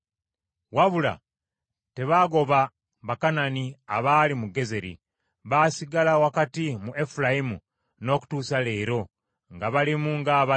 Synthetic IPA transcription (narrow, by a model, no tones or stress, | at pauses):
waβula̰ | te̞βaɡo̞βa | βakanania̰βalimuɡe̞ze̞ɾḭ | βasiɡalawakatimuʔe̞fulajimṵ | no̞ːku̥tuːsale̞ːɾo̞ | ŋɡaβalimuŋɡaβa